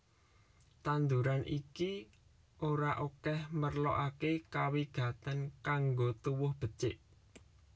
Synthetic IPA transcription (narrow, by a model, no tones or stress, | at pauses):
t̪and̪uɾanʔiki | ʔoɾaʔokɛhmərlɔʔakekawiɡ̥ä̤t̪ankaŋɡot̪uwʊhb̥ə̤t͡ʃɪʔ